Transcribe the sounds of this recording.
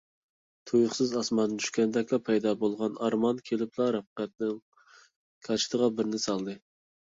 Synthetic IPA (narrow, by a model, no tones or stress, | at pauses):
t̪ʰujʊχsɨzɑsmɑnːɨt̪ʰy̥ʃkʲɛnd̪ɛkʲlɑpʰɛjd̪ɑbolˠʁɑnɑɾmɑnkʲʰelɪplˠɑɾɑp̚qɛt̪̚nɪŋ | kʲʰɑt͡ʃʰɪ̥t̪ʰəʁɑbɪɾnɪsɑlˠd̪ɨ